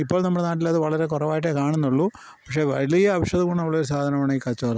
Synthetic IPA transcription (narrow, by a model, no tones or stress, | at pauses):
ipːoːɭnɐmːuɽenaːʈ̬ːilɐðɨʋɐɭɐɾe̞kɔrɐʋaːjiʈ̬ːekaːɳunːuɭːu | pɐkʂe̞ːʋɐlijɐːʋɐʂjɐðɐkuɳːɖɐʋɐɭːɐoɾusaːd̪ʱɐnɐmaːɳɐiːkɐt͡ɕːoːlɐ